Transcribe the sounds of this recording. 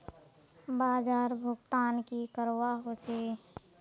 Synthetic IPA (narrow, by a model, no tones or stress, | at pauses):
baːd͡ʒaːɾbʱʊɡt̪aːnkikəɾwaɦot͡ʃʰeː